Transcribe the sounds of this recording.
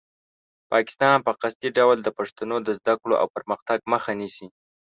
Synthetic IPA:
pɑkɪ̥st̪ɑnpəqast̪iɖawld̪əpaʂt̪anod̪əzd̪akɽoʔa̰wpəɾməxt̪aɡ̚məxanisi

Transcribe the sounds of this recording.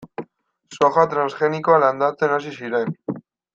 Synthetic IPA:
soxat̪ɾansxe̞nikoaland̪at͡se̞nas̬isiɾe̞n

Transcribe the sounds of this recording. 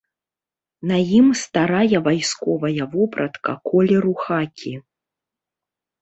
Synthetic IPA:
nɐjimst̪aɾajɐvajskɔvɐjɐvɔpɾɐt̪kɐkɔlʲɛɾuxakʲʰi

